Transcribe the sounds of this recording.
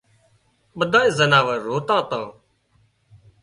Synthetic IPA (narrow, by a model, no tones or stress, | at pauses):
ɓəd̪ʱãːeːzənaːʋəɾoːt̪ãːt̪ãː